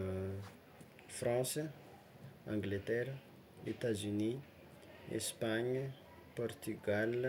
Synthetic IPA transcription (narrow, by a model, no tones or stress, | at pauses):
frɑ̃sə | ãŋɡlet̪ɛɾ | et̪azyni | ḛspaɲə | pɔrt̪yɡal